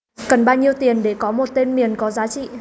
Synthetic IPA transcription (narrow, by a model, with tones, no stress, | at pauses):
kə˨˩nɓaː˧wɲi˧əwt̪i˨˩ənɗe˧˩kɔ˨˦mo˨˩t̚t̪e˧nmi˨˩ənkɔ˨˦zaː˨˦t͡ɕḭ˧˨